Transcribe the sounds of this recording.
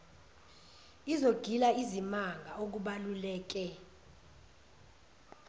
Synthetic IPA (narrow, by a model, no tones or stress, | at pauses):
izoɡ̥ʱilaizimaŋɡʱaok̬uɓalulɛːk̬ɛ